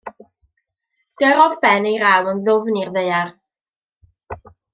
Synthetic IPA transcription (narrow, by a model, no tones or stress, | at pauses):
ɡ̥əɾɔðbɛnejɾawənðʊvnirðejar